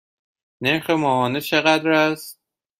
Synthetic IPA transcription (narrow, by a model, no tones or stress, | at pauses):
neɾxemɒːɦɒːnet͡ʃʰe̞ɣæd̪ɾæs